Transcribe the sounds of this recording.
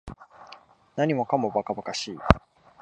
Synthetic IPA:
naɲ̟imo̞kamo̞bakabakaɕiː

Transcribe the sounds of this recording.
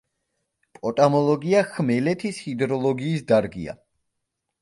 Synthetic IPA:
pʼɔt̪ʼamɔlˠɔɡiaχmɛlɛt̪ʰishid̪ɾɔlˠɔɡiːsd̪aɾɡḭa̰

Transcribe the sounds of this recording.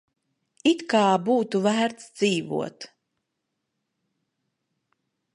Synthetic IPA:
it̪kaːbuːt̪uvæːɾt̪sd̪ziːvṵɔt̪

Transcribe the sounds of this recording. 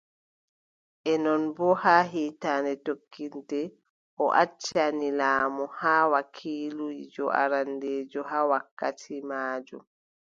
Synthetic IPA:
ʔɛnɔnbɔhaːɦiːtaːnɛtokːindɛ | ʔɔʔat͡ʃːanilaːmɔhaːwakʰiːluid͡ʒɔ̰ʔa̰ɾandɛːd͡ʒɔɦaːwakːatʰimaːd͡ʒṵm

